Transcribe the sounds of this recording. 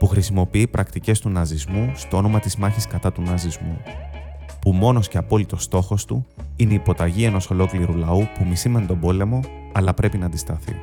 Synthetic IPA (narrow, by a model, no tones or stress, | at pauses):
puxɾisimo̞piipɾɐkt̪ice̞st̪unɐzizmust̪oo̞no̞mɐt̪izmɐçiskɐt̪ɐt̪unɐzizmu | pumo̞no̞sce̞ɐpo̞lit̪o̞st̪o̞xo̞st̪ṵineipo̞t̪ɐʝie̞no̞so̞lo̞kliɾulɐupumisimenit̪o̞bo̞le̞mo̞ | ɐlɐpɾe̞pinɐːnd̪ist̪ɐθḭ